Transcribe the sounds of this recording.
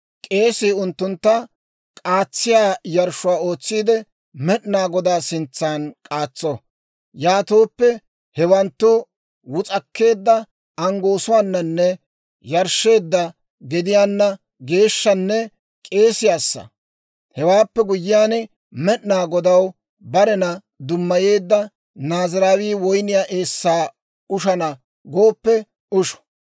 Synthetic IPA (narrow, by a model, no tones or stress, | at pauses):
kʼe̞ːsɪːʊnt̪ːʊnt̪ːɐ | kʼaːt͡sːɪjaːjɐɾʃʊwaːo̞ːt͡sːiːd̪ɛ | mɛɗnaːɡɔd̪aːsɪnt͡sːaːnkʼaːt͡sːɔ | jaːt̪oːpːɛ | hɛwɐnt̪ːʊ | wʊt͡sʼɐkːe̞ːd̪ːɐ | ɐŋɡo̞ːsʊwaːnːɐnːɛ | jɐɾʃːe̞ːd̪ːɐ | ɡɛd̪ɪjaːnːɐ | ɡe̞ːʃːɐnːɛ | kʼe̞ːsɪjaːsːɐ̰ | hɛwaːpːɛɡʊjːɪjaːn | mɛʔnaːɡɔd̪ɐw | bɐɾɛnɐ | d̪ʊmːɐje̞ːd̪ːɐ | naːzɪɾaːwiːwɔjnɪjaːʔeːsːaː | ʊʃɐnɐ | ɡo̞ːpːɛ | ʊʃɔ̥